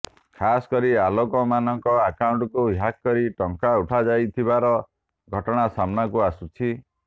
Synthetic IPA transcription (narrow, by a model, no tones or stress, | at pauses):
kʰasɔ̥kɔɾialokɔmanɔŋkɔakauɳʈɔkujakkɔɾiʈɔŋkauʈʰad͡ʒajt̪ʰibaɾɔ | ɡʱɔʈɔɽ̃asamnakuasut͡ʃʰi